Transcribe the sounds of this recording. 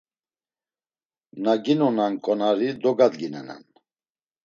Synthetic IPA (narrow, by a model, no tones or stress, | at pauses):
naɡinɔnankʼɔnaɾid̪ɔɡad̪ɡinɛ̰nɛ̰n